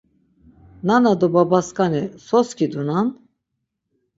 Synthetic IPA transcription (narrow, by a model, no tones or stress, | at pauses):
nanad̪ɔbabaskanisɔskʰid̪unan